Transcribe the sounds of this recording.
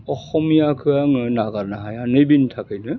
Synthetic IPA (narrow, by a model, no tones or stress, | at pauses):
ɔxɔmijakʰɯaŋɯnaɡaɾnaɦajanɯjbintʰakʰɯjnɯ